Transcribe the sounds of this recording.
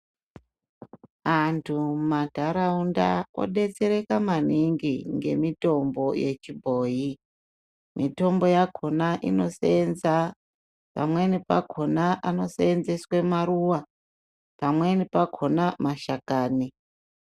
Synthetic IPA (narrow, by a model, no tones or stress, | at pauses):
antʰumadʱaɾaunda̰o̰ɗe̞t͡seɾe̞kamaniŋɡiŋɡe̞mito̞mbo̞je̞t͡ʃibʱoːji | mito̞mbo̞jakʰo̞naʔḭno̞senza | pa̰mwenipa̰kʰo̞naʔano̞seːnzeswemaɾuwa | pamwe̞nipakʰo̞namaʃakaːni